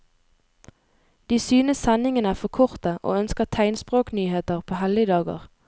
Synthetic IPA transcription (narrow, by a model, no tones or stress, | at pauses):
d̪̥iːsyːnəsɛnɪŋənəæːfɔkʰɔʁt̪əʔo̰ːœnskəʁt̪ʰæɪnspʁoːknyːheːt̪əʁpʰoːhɛlɪd̪ɑːɡo̰ːʁ